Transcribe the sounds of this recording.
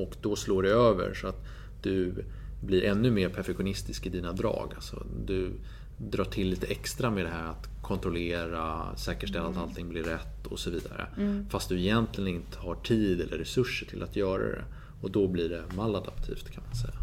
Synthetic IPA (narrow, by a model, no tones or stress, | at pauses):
ɔkd̪ɔsloːɖɛøːvə̰ɾʂɔat̪ | d̪̥ɵ | blɪɾʔɛnːɵmeːɾpʰæɾfɛkɧʊnɪst̪ɪskɪd̪iːnad̪ɾɑ̰ːɡa̰lsɔ̰d̪ɵ | d̪ɾɑːʈʰɪlːiːt̪əɛkst̪ɾameːd̪ɛɦæːɾat̪ | kʰɔnt̪ɾɔleːɾasɛːkəʂʈɛlːat̪alt̪ʰɪŋblɪɾːɛt̪ːɔ̰sɔviːd̪a̰ɾə̰fast̪̚d̪ɵɛjɛnt̪lɪɡənɪnt̪ʰə̥haʈʰiːd̪ɛlːʔəɾːɛsɵʂːəʈʰɪlʔat̪jœːɾa̰d̪ɛ̰ | ɔd̪ɔbliɖɛmalːad̪apt̪ʰḭːft̪kʰanmansɛ̰jːa